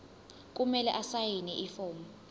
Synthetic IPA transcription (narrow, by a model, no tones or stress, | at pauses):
k̬ʼumɛlɛʔasajinɛʔifɔːmɔ